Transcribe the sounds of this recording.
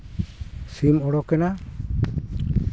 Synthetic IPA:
simɔɽɔkɛna

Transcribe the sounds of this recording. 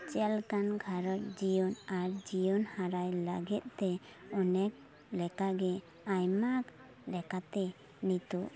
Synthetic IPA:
t͡ʃɛlkanɡʱaɾɔɾ̚d͡ʒijɔnaɾd͡ʒijɔnhaɾajla̰ɡɛt̪̚t̪ɛ | ɔnɛk̚ | lɛkaɡɛ | ajmak | lɛkat̪ɛ | nit̪uʔ

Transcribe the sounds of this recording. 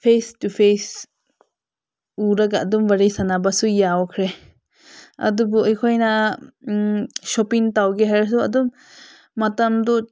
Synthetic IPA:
pʰestupʰes | uɾaɡaʔd̪ɔmbaɾijsanabasujaɔkʰɾɛ | a̰d̪ɔbɔʔijkʰɔjna | ʃɔpiŋtawɡɛɦaɾs̬ɔa̰d̪ɔm | matamd̪ɔ

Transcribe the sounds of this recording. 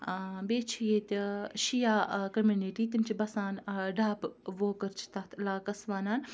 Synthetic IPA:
beːt͡ʃʰijeːt̪ʃijaːkɐmjuːniʈiːt̪imt͡ʃibɐsaːnɖaːpʋoːkɐɾt͡ʃʰi̥t̪ɐt̪ʰlaːkɐsʋaːnaːn

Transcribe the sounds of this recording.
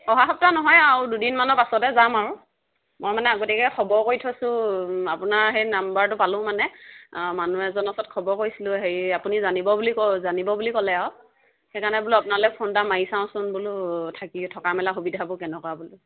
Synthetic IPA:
ɔɦaxɔp̚tanɔɦɔjaɹdudinmanɔpasɔtɛzamaɹʊ | mɔjmanɛaɡotikɛkʰɔbɔɹkoɹjtʰɔsʊ̃apʊnaɹɦejnambaɹtʊpalʊ̃manɛmanuɛzɔnɔsɔt̚kʰɔbɔɹkoɹisilʊɦeapunizanibɔbulikɔzanibɔbulikɔlɛaw | xekanɛbʊluapʊnalɛpʰɔndamaisãʊ̃sɔnbulʊtʰakitʰɔkamɛlaxubidʱabʊkɛnɛkwabulʊ

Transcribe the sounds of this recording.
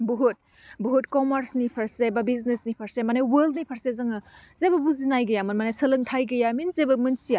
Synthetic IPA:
buɦut̚ | buɦutkɔmɐɾsnipʰɐɾsebabiznesnipʰɐɾsemanajwɐldnipʰɐɾsezɐŋɯ | zebɐbuzinajɡɐjamɯnmanajsɐlɯŋtʰajɡɐjaminzebɐmɯnsija

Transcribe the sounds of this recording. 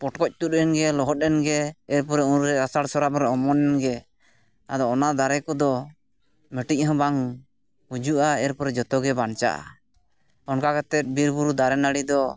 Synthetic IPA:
pɔʈkɔc̚t̪ut̪̚ˀɾɛnɡɛlɔɦɔt̪̚ˀɛnɡɛːɾpɔɾɛunɾɛasaɽsɔɾapɾɛɔmɔnɛnɡɛ | nad̪ɔːnad̪aɾɛkɔd̪ɔ | mɛʈic̚ˀɦɔ̃baŋ | hud͡ʒuʔaɛɾpɔɾɛd͡ʒɔt̪ɔɡɛbant͡ʃa̰ʔa̰ | ɔnkakat̪ɛt̪̚biɾbuɾud̪aɾɛnaɽid̪ɔ

